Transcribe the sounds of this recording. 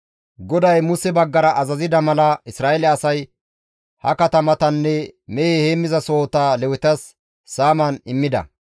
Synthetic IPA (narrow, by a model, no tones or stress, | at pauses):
ɡɔd̪ɐjmʊsɛbɐɡːɐɾɐʔɐzɐzɪd̪ɐmɐlɐɪsɾaːelɛɐsɐj | hɐ̰kɐt̪ɐmɐt̪ɐnːɛmejeheːmːɪzɐso̞ːt̪aːlɛwɪt̪ɐsː | aːmɐnɪmːɪd̪ɐ̰